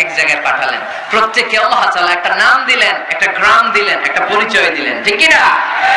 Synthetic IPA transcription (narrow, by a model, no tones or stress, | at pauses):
ɛkd͡ʑaɡaepaʈʰalḛn | pɾot̪ːekːealːaɦat̪aːlaɛk̚ʈanamd̪ilenɛk̚ʈaɡɾamd̪ilenɛ̰k̚ʈapoɾit͡ɕɔed̪ilḛnʈʰikːina